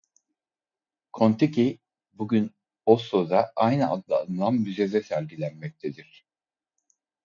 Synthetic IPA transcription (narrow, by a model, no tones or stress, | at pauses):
kʰont̪ʰicʰi | buɟʲyn | osozaʔajnɯʔa̰d̪lˠa̰ːnɯlˠamːyzezɛsæɾʲɟilʲænmɛc̚t̪ʰed̪iɾ̝̥